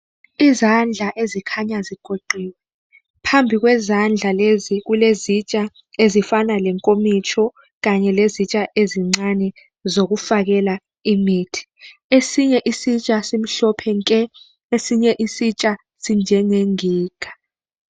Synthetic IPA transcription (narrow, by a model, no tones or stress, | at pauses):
izand͡ɮʱaʔezikʰaɲaziɡ̥ʱoǃiːwɛ | pʰambʱik̬wɛzand͡ɮʱalezik̬ulezit͡ʃʼa | ezifanalɛŋkʼomit͡ʃʰɔ | k̬aɲɛlezit͡ʃʼaʔeziŋ͡ǀanɛ | zok̬ufak̬ɛla | imiːtʰi̥esiɲɛʔisit͡ʃʼasim̩ɬɔpʰɛŋkʼɛ | esiɲɛʔisit͡ʃʼa | sind͡ʒʱɛŋeŋiːɡ̥ʰʱḁ